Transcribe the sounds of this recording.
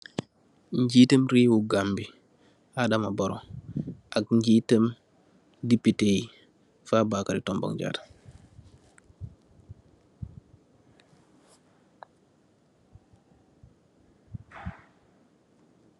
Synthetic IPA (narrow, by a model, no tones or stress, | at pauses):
ɲɟiːtəmɾiːwuɡambi | adamaboɾɔ̰ʔakɲɟiːtəm | dipiteji | fabaːkaɾitɔmbɔ̰ŋd͡ʒa̰ːtḁ